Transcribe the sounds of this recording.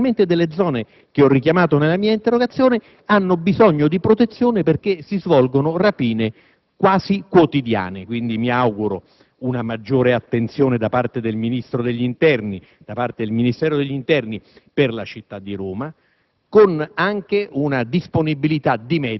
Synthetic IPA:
ment̪ed̪elːed̪zːɔːne | k̟eɔrːik̟jamaːt̪onelamiːaint̪erːoɡat̪sːjoːne | anːobizɔɲːod̪ipɾot̪et̪sːjoːneperk̟esizvɔlɡonorapiːne | kwaːzikwot̪id̪ja̰ːnekwind̪imiawɡuɾo̰ | unamad͡ʒːoːɾeat̪ːent̪sjoːned̪apart̪ed̪elminist̪ɾod̪eʎːint̪ɛrni | d̪̥apart̪ed̪elminist̪ɛːɾod̪eʎːint̪ɛrniperlat͡ʃit̪ːad̪ːiɾoːma | konaŋk̟eunad̪isponibilit̪ad̪imɛ

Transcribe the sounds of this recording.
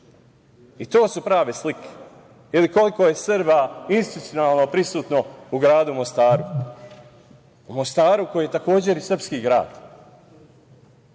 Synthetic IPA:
it̪o̞ːsupɾaːʋeslikʰe̥ | iliko̞liko̞je̞sɨɾbainsit̪ut̪ijonalˠno̞pɾisuːt̪no̞uɡɾaːd̪umo̞st̪aːɾu | umost̪aːɾuko̞jijet̪ako̞ːd͡ʑe̞ɾisr̩pskiːɡɾa̰ːd̪̥

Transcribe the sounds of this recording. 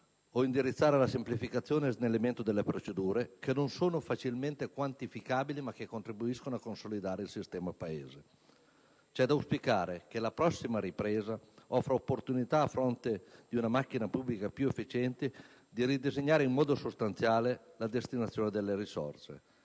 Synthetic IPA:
oind̪iɾit̪sːaːɾelasemplifikat̪sːjoːnenelːement̪od̪elːepɾot͡ʃed̪uːɾekenːonsoːnofat͡ʃilment̪ekwant̪ifikaːbilimak̟ːekːont̪ɾibuiskonoakːonsolid̪aːɾeilsist̪ɛːmapaeːze | t͡ʃɛd̪auspikaːɾek̟elapɾɔsːimaɾipɾeːzaɔfɾaopːort̪unit̪aːfɾont̪ed̪iunamakːinapublikapjuefːit͡ʃɛnt̪e | d̪iɾid̪ezeɲːaːɾeimmɔːd̪osost̪ant̪sjaːlelad̪est̪inat̪sjoːned̪elːeɾisɔ̰rsḛ

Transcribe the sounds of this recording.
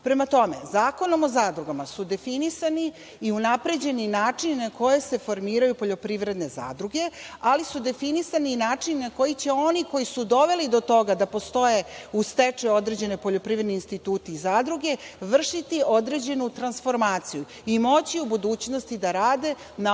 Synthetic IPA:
pɾe̞mat̪o̞me̞̰zaːko̞no̞mo̞zaːd̪ɾuɡamasud̪e̞finisaniː | unapɾe̞d͡ʑe̞ninaːt͡ʂinnako̞je̞se̞fo̞ɾmiːɾajupo̞ʎo̞pɾiʋɾe̞d̪ne̞za̰ːd̪ɾuɡe̞alisud̪e̞finisaninaːt͡ʂinnako̞jit͡ɕe̞o̞niko̞jisud̪o̞ʋe̞lid̪o̞t̪o̞ɡad̪apo̞st̪o̞je̞ust̪et͡ʂeo̞d̪ɾe̞d͡ʑe̞nepo̞ʎo̞pɾiʋɾed̪niinst̪it̪uːt̪iːzaːd̪ɾuɡe̞ʋr̩ʂit̪io̞d̪ɾe̞d͡ʑe̞nut̪ɾansfo̞ɾmaːt̪siju | imo̞t͡ɕiubud̪uːt͡ɕno̞st̪id̪aɾaːd̪e̞ | na

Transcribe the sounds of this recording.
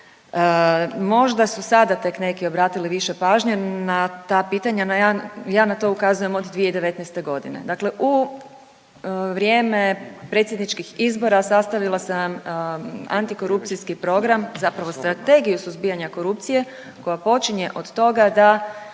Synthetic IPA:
mo̞ʒd̪asusad̪at̪e̞kne̞kio̞bɾaːt̪iliʋiʃepaːʒɲanat̪apiːt̪aɲanjajaːnat̪o̞ukazuje̞mo̞d̪d̪ʋijed̪eʋe̞t̪nɛjst̪e̞ɡo̞d̪ḭne̞̰d̪akle̞ʔu | ʋɾjeːme̞pɾet̪sjed̪nit͡ʃkixizbo̞ɾasast̪aʋilˠasam | a̰nt̪iko̞ɾup̚t̪siskipɾo̞ɡɾamzapɾaʋo̞st̪ɾat̪e̞ɡijusuzbijaɲako̞ɾup̚t̪sije̞ | ko̞japo̞t͡ʃiɲe̞ʔo̞d̪t̪o̞ɡad̪a

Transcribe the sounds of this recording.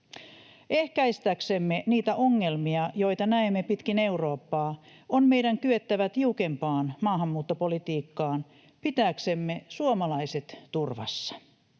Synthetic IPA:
ehkæist̪æksemːeniːt̪æʔoŋːe̞lmiɑjo̞jt̪ɑnæemːepit̪kine̞uro̞ːpːɑː | onmejdæŋkyøt̪ːæʋæt̪iukempɑːnmɑːɦɑmːuːt̪ːopolit̪iːkːɑːn | pit̪æːksemːesuomɑlɑiset̪t̪urʋɑ̰sːɑ̥

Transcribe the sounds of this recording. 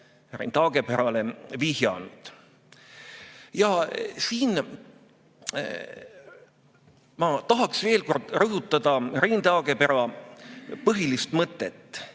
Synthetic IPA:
rḭnt̪ɑɡ̥e̞peɾɑleviɦjɑ̰nud̪̥ | jɑsiːn | mɑt̪ɑɦɑksve̞ːlko̞rd̪̥rɤɦut̪ːˑɑd̪̥ɑrint̪ɑːɡ̥e̞peɾɑ | pɤɦilist̪mɤt̪ːˑet̪ːˑ

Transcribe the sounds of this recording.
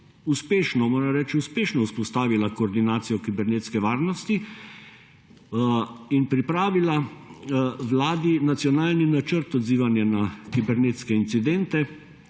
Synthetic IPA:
uspeːʃnɔmoːɾɛmɾɛːt͡ʃiuspeːʃnɔuspɔst̪aːʋilakɔːɾd̪inaːt̪sijɔkibɛɾnet̪skɛʋaːɾnɔst̪i | inpɾipɾaːʋila | ʋlaːd̪inat̪sjɔnaːlninat͡ʃəɾt̪ɔd̪ziːʋanjanakibɛɾneːt̪skɛint̪sid̪ɛnt̪ɛ

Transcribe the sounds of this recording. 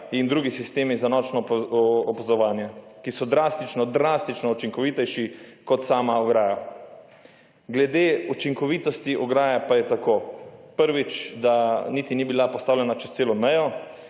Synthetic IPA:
ind̪ɾuːɡisist̪eːmizanɔːt͡ʃnɔː | pazɔʋaːnjɛkisɔd̪ɾast̪it͡ʃnɔd̪ɾaːst̪it͡ʃnɔut͡ʃiŋkɔʋiːt̪ɛjʃikɔt̪saːmaɔɡɾaːja | ɡlɛd̪eːut͡ʃiŋkɔʋiːt̪ɔst̪iʔɔɡɾaːjapajɛt̪akoːpəɾʋit͡ʃd̪aniːt̪inibilapɔst̪aːwlɛnat͡ʃɛst̪seːlɔmɛjɔ

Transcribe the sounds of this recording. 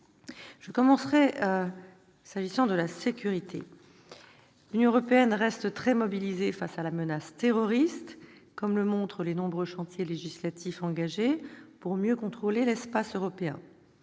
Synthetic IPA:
ʒ̥əkɔmɑ̃sʁɛ | saʒisɑ̃d̪əlasekʲyʁit̪ʰḛ | lynjɔ̃əʁɔpeɛnʁɛst̪t̪χɛmɔbilizefasalamənast̪eʁɔʁist̪ | kɔmləmɔ̃t̪χəlenɔ̃bʁøʃɑ̃t̪jeleʒislat̪ʰifɑ̃ɡaʒepuʁmjøkɔ̃t̪χolelɛspasøʁɔpeɛ̰̃

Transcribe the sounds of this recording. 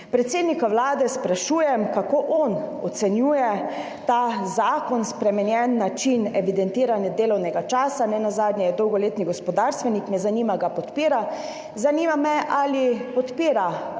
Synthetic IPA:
pɾɛt̪seːd̪nikawlaːd̪ɛspɾaʃuːjɛmkakoːʔɔn | ɔt̪sɛnjuːjɛ | t̪azaːkɔnspɾɛmɛnjɛnːat͡ʃinɛʋid̪ɛnt̪iːɾanjad̪eːlɔwnɛɡat͡ʃaːsanɛnazaːd̪njɛjɛd̪ɔwɡɔleːt̪niɡɔspɔd̪aɾst̪ʋɛnikmɛzaniːmaɡapɔt̪piːɾa | zanimamɛʔalipɔt̪piːɾa

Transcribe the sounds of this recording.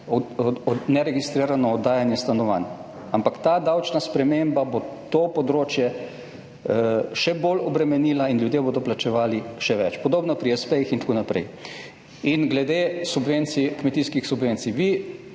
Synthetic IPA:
nɛɾɛɡist̪ɾiːɾanɔːd̪ːaːjanjɛst̪anɔʋa̰n | ampakt̪ad̪awt͡ʃnaspɾɛmembabot̪opɔd̪ɾoːt͡ʃjɛ | ʃɛbolɔbɾɛmɛniːlainljud̪jeboːd̪ɔplat͡ʃɛʋaːliʃɛʋɛt͡ʃpɔd̪oːbnɔpɾiɛspɛjixint̪ḁkonapɾɛ̰j | inɡlɛd̪esubʋent̪sikmɛt̪iskixsubʋent̪siʋi

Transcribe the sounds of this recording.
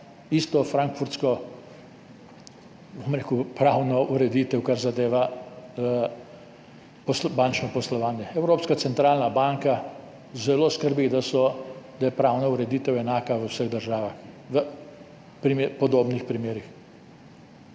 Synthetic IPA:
ist̪ɔfɾaŋkfuɾt̪skɔ | bomɾeːkupɾawnɔʔuɾɛd̪iːt̪ɛwkaɾzad̪eːʋa | pɔsbant͡ʃnɔpɔslɔʋaːnjɛɛwɾoːpskatsɛnt̪ɾaːlnabaŋka | zɛloːskəɾbiɣd̪asɔd̪̥ajɛpɾawnauɾɛd̪iːt̪ɛwɛnaːkaʋəwsəɣd̪əɾʒaːʋax | ʋə | pɾimepɔd̪oːbnixpɾimeːɾix

